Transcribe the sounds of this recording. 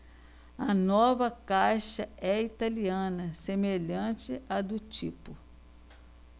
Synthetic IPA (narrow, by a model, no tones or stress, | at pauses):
ɐnɔvɐkajʃɐɛit̪aliɐ̃nɐsemeʎɐ̃t͡ʃɪad̪ʊt͡ʃipʊ